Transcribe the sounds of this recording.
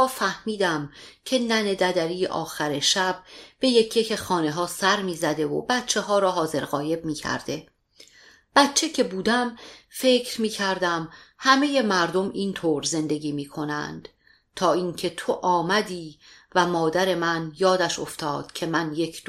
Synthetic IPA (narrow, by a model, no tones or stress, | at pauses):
fæhmiːd̪æmcʰe̞næne̞d̪æd̪æɾḭːʔɒ̰ːxæɾeʃæb̥be̞je̞cʰːekʰe̞xɒːne̞ɦɒːsæɾmiːzæd̪e̞vo̰bæt̪t͡ʃʰe̞ɦɒːɾɒːɦɒːze̞ɾɣɒːje̞b̚miːcʰæ̰ɾd̪̥e̞ | b̥æt̪t͡ʃʰe̞cʰe̞buːd̪æmfe̞ːcʰɾmiːcʰæɾd̪æmhæme̞je̞mæɾd̪o̞miːnt̪ʰoːɾze̞nd̪e̞ɡʲiːmiːkʰo̞næ̰nd̪̥ | t̪ʰɒːiːŋcʰet̪ʰo̞ʔɒːmæd̪iːvæmɒːd̪æɾe̞mænjɒːd̪æʃo̞̰ft̪ʰɒːd̪̥cʰe̞mænje̞kʰd̪